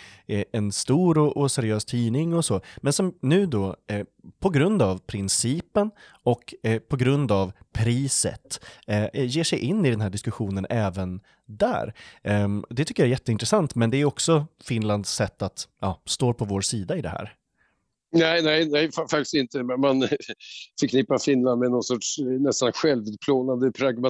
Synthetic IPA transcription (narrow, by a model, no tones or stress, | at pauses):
ɛnst̪uːɾɔʔɔsæɾɪøːst̪ʰiːnɪŋɔsoːmɛnsɔmnʉ̟ːd̪ɔː | pʰɔɡɾɵnd̪avpʰɾɪnsiːpən | ɔkpʰɔɡɾɵnd̪avpʰɾiːsə̰t̪ | jeːʂɛjʔɪnːɪd̪ɛnɦæːɖɪskɵɧuːnənʔɛːvən | d̪æ̰ːɾ | d̪ɛt̪ʰʏkːəjaæɾjɛt̪ːəɪnt̪ɾɛsant̪mɛnd̪ɛæɾjɔksɔfɪnland̪sːɛt̪ːat̪jɑːst̪oːɾpʰɔvoːɾsiːd̪aɪd̪ɛ̰hæ̰ːɾ | nɛɪnɛjnɛjfafakt̪ɪ̥sɪnt̪əmɛman | fœɾkʰnɪpːaɾfɪnland̪mɛnɔnsɔtʂnɛst̪anɧɛlvʉːt̪̚pʰloːnand̪əpʰɾaɡma